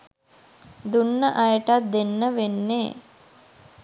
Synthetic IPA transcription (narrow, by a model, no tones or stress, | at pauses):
d̪unːəʔɐjəʈat̪̚d̪enːəʋenːeː